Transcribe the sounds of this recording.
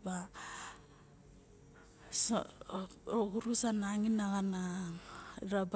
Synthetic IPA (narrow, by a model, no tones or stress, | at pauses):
ba | s | okuɾusanaŋinaɣana | ɾab